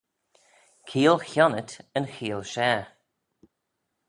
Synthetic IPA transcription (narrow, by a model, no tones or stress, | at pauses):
kʰiːlˠxjɔnətənxiːlˠʃɛː